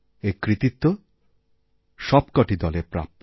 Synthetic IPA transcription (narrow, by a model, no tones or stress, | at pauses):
ekɾit̪it̪ːo | ʃɔbkɔʈid̪ɔlepɾa̰p̚t̪